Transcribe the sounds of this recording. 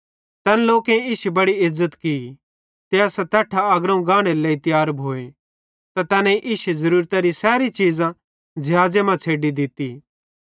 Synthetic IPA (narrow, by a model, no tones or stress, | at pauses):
t̪ɛːnloːkẽiːʃubɐɽiɪzːət̪ki | t̪eːasɛt̪ɛːʈʰaɐɡɾaũɡãːɽ̃eleːit̪jaːɾbʱoːe | t̪at̪ɛːnãiʔɪːʃuzɐɾuːɾt̪aɾisɛːɾit͡ʃiːd͡zã | d͡ʒʱɪɦaːd͡zemãt͡sʰeːɖid̪ɪt̪i